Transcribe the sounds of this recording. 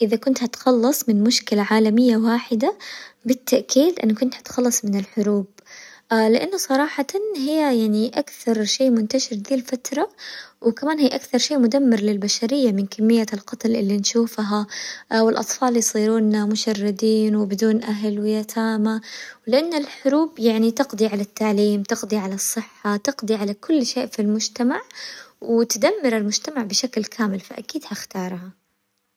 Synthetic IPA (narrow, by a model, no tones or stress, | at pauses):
ʔɪðakʊnt̪hat̪xɑlːɑsˤmɪnmʊʃkɪlaʕaːlamɪjːawaːħɪd̪abɪt̪ːaʔkiːd̪ʔɪ̰nːkʊnt̪hḁt̪xɑlːɑsˤmɪnɪlħʊɾuːb̚ | lɪʔanːʊsˤɑɾˤɑːħɑt̪nɦɪjːajaʕniʔakθɑɾˤʃeːmʊnt̪aʃɪɾd̪iːlfat̪ɾˤɑwɪkamaːnhiːʔakθɑɾˤʃeːmʊd̪amːɪɾˤlɪlbaʃaɾɪjːamɪnkamːɪjːalqɑt̪lʔɪlːinʃuːfɦawɪlʔɑ̰t̪ˤfɑːljsˤiːɾuːnːamʊʃɑrːɪd̪iːnwɪbɪd̪uːnʔaɦlwɪjat̪ʰaːmawlɪʔanːalħʊɾuːbjaʕnit̪ɪqd̪ˤiʕalat̪ːaʕliːmt̪ɪqd̪ˤiʕalasˤːɨħːat̪ɨqd̪ˤiʕalakʊlːʃeːʔfilmʊd͡ʒt̪amaʕwɪt̪ad̪amːɪɾɪlmʊd͡ʒt̪amaʕbɪʃaklkʰaːmɪlfaʔakiːd̪haxt̪ɑːɾˤha